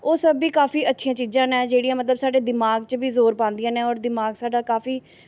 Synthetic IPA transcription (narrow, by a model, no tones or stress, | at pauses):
oːsəbiːkaːpʰiːətːʃʰijãːt͡ʃiːd͡ʒãːnɛ̃ːd͡ʒeːɽijãːmət̪ləbsaːɖeːd̪ɪmaːɡt͡ʃbiːzoːɾpãːnd̪ɪjãːnẽːɔːɾd̪ɪmaːɡsaːɖaːkaːfʰiː